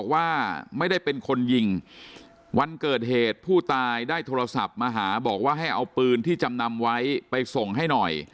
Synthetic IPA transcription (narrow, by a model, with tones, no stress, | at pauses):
k̚waː˥˩ma˥˩jda˥˩jpe˧nkʰo˧nji˧ŋ | wa˧nkɤː˨˩t̪̚ɦeː˨˩t̪̚pʰuː˥˩t̪aː˧jdaː˥˩jt̪ʰoː˧ɾa˧sa˨˩p̚maː˧ɦaː˩˦bɔː˨˩k̚waː˥˩ɦa˥˩jʔa˧wpɯː˧nt̪ʰiː˥˩t͡ɕa˧mna˧mwa˦˥jpa˧jso˨˩ŋɦa˥˩jnɔ˨˩j